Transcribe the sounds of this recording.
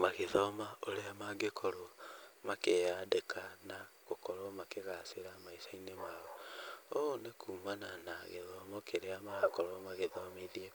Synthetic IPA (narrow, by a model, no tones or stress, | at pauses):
maɣeðɔmaoɾeamaɡekʰɔɾɔmakejadekʰanaɣokɔɾɔmakeɣaseɾamaisainemaɔonekuːmananaɣeðɔmɔkʰeɾeamaakɔɾɔmaɣeðɔmeðie